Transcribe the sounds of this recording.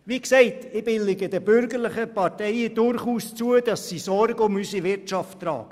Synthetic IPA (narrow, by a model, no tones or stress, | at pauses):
ʋiksɛɪtɪbɪlɪɡəd̥əbʏɾɡəɾlɪχəpɑɾtɛɪəd̥ʊɾχuːst͡suəd̥ɑsːisɔɾɡəʊmysiʋɪɾtt͡ʃɑfttrɑ̰ːɡ̥ə